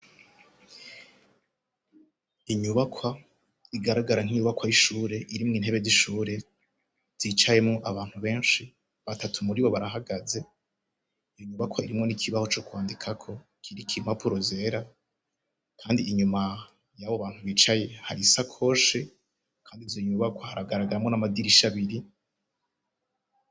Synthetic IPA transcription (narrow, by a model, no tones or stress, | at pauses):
iɲuβakʰwa | iɡaɾaɡaɾaŋ̥hiɲuβakwajiʃuːɾe̞ʔiɾimŋiːn̥he̞βe̞ziʃuːɾe̞ | z̥iːt͡ʃaje̞mŋoʔaβaːn̥huβe̞ːnʃi | βatatʰumuɾiβo̞βaɾaɦaɡaze̞ | ijo̞ɲuβakʰwaiɾimŋo̞nikʰiβaho̞t͡ʃo̞kwaːndikʰakʰo̞ | kʰiɾikʰim̥apuɾozeːɾa | kʰaːndiːɲuma | jaβoβaːn̥huβiːt͡ʃaje̞haɾisakʰo̞ʃe | kʰaːndivzoɲuβakwahaɾaɡaɾaɡaɾamŋo̞namadiɾiʃaβiɾi